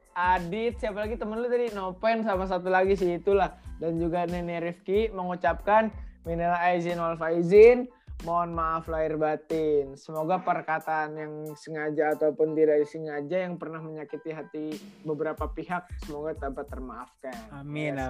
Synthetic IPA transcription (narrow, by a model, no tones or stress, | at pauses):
ʔadɪt̪̚siapalaɡit̪əmənlut̪adinopɛnsamas̬at̪̬ulaɡis̬iːt̪ulahdand͡ʒuɡanɛneɾifkiməŋut͡ʃap̚kanminilaɦaizɪnwalfaizɪn | moɔnmaʔːflaɪrbat̪ɪnsəmoɡapərkat̪aːnjaŋsəŋad͡ʒaːt̪aupʊnd̪iɾadisəŋad͡ʒajaŋpərnahməɲakit̪iɦat̪ibəbəɾapapiɦak̚səmoɡat̪apat̪ːərmaafkanmi